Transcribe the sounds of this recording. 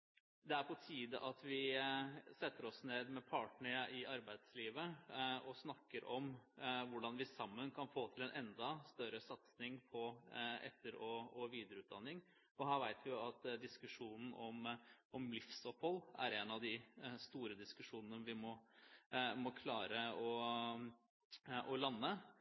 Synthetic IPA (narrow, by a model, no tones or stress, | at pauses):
d̪ɛæɾpʰɔt̪ʰiːd̪əʔɑt̪ʋɪ | sɛt̪ːəɾɔsneːd̪mɛpʰɑːʈɳəɾəʔɪɑɾbæɪd̪sliːʋəɔsnɑkːəɾʔɔmʋʊɖɑnʋɪsɑmːənkʰɑnfoːt̪ʰɪlɛnʔɛnd̪ɑst̪œɾəsɑt̪snɪŋpʰɔɛ̰t̪ːəɾɔɔʋiːd̪əɾəʉːt̪̚d̪ɑnːɪŋ | ɔɦæːɾʋæɪt̪ʰʋɪjʊɑt̪d̪ɪskʉʂuːnn̩ʔɔmʔɔmlɪfsɔpːhɔlːæ̰ɾenɑʋd̪ɪst̪uːɾəd̪ɪskʉʂuːnənəʋɪmɔ | mɔkʰlɑːɾəɔ | ʔɔlɑnːə